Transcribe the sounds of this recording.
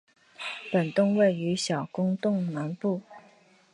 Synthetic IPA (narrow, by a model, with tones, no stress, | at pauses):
pə˨˩nt̪ʊ˥˧ŋwe˥˩ɪy˧˥ɕjɑ˨˩ʊkʊ˥ŋt̪ʊ˥˩ŋna˧˥npu˥˩